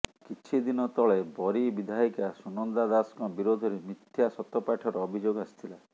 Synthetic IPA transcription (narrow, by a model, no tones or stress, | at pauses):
kit͡ʃʰid̪inɔt̪ɔɭebɔɾibid̪ʱaikasunɔnd̪ad̪askɔbiɾod̪ʱɔɾemit̪ʰːjasɔt̪ɔpaʈʰɔɾɔːbʱid͡ʒoɡɔasi̥t̪ʰila